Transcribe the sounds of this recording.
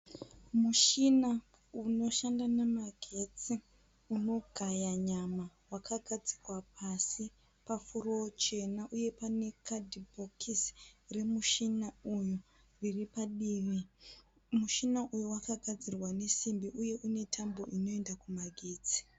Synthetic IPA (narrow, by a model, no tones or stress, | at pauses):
muʃina | uno̞ʃandanamaɡʱe̞t͡si | uno̞ɡʱajaɲamawakʰaɡʱad͡zirwapʰasi | pafurot͡ʃe̞naʔuje̞pane̞kʰadibʱokʰisre̞muʃinauju | riripaɗiːʋi | muʃinaʔujuwakaɡʱad͡zirwane̞simbiʔuje̞ʔune̞tʰambo̞ʔino̞e̞ndakumaɡʱeːt͡si̥